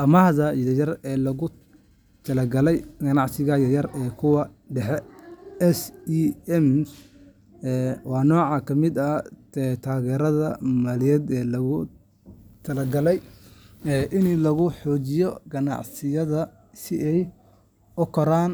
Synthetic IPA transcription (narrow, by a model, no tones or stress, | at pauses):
ʔɐmahðɐiðɐjɐrɛːlɐɣʊ | t̪ʰɐlɛɡɐlɛjɡɐnɑʕsɪɣɐjɐjɐrɛːkʰʊwɑ | ɖɛħɛɛsiɛm | ɛwɑːnɔːʕɑkʰɐmɪd̪ɐɛt̪ʰaːɣɛːɾɐðɐmaːlɪjɛd̪ɛːlɐɣʊ | t̪ʰɐlɐɡɐlɛj | ɛːʔɪnlɐɣʊħɔːt͡ʃɪjɔɡɐnɑ̰ʕsɪjɐðɐ | sɪɛj | ʔʊkʰɔɾaːn